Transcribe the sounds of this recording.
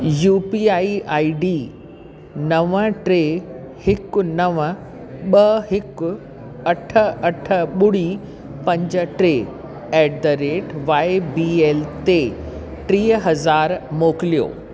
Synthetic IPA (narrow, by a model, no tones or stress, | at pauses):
juːpiːaːiʔaːiɖiː | nɐʋəʈɾe | hɪkʊnɐʋə | ɓɐɦɪkʊ | ɐʈʰə̆ɐʈʰə̆ɓʊɽi | pɐ̃ɲd͡ʑəʈɾeː | ɛːɖd̪əɾeːʈʋaːebiːeːlt̪e | ʈɾiːəɦɐzaːɾmoːkɪlijo̰ː